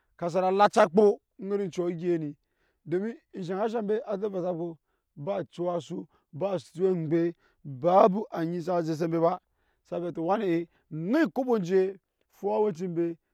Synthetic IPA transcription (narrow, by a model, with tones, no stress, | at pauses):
ka˨s̬a˨ɾa˨la˦t͡ʃa˦k͡po˦ | ŋ̩˦i˦ɾi˦n˨t͡ʃo˨˦ɡʲi˦e˦ni˨ | do˨mi˦˨ʃ̬a˨ŋa˦ʃ̬a˦mbe˦ʔa˨ze˦ba˨sa˦b̚ko˦ | ba˦t͡ʃi˦wa˦su˦ | ba˦˨stu˦e˦˨ŋ͡mɡ͡be˦ | ba˦bu˦ʔa˨ɲi˦s̬a˦˨ze˨s̬e˦mbe˦ba˦ | sa˦be˨to˨wa˦ne˨i˨ | ŋi˦ku˦bo˦n˦d͡ʒe˦ | fu˦a˦we˦t͡ʃi˦mbe˦